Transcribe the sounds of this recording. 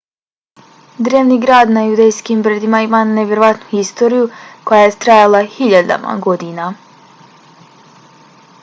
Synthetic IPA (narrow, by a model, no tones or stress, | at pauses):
d̪ɾeːʋniːɡɾaːd̪najud̪ejskimbɾed̪imaimanevʲjeɾoʋat̪nuxist̪o̞ːɾijuko̞jajet̪ɾajalˠaxiʎad̪a̰ma̰ɡo̞d̪ina